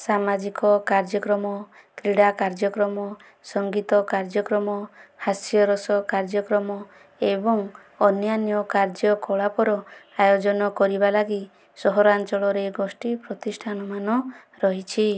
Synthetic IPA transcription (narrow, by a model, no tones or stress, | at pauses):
samad͡ʒikɔkaɾd͡ʒɔkɾɔmɔ | kɾiɽakaɾd͡ʒɔkɾɔmɔ | sɔŋɡit̪ɔkaɾd͡ʒɔkɾɔmɔhasjɔɾɔsɔkaɾd͡ʒɔkɾɔmɔ | ebɔŋ | ɔnjanjɔkaɾd͡ʒɔkɔɭapɔɾɔajod͡ʒɔnɔkɔɾibalaɡi | sɔɦɔɾant͡ʃɔɭɔɾeɡosʈipɾɔt̪isʈʰanɔmanɔ | ɾɔɦit͡ʃʰi